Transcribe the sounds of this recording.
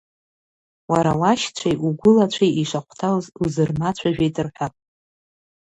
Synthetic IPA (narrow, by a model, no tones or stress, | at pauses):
waɾawaʃt͡ɕʷʰajʔuɡʷʊlat͡ɕʷʰijiʂaqʷtʰawzuzɨrmat͡ɕʷʰaʒᶣejtʼɨrħʷᶣapʼ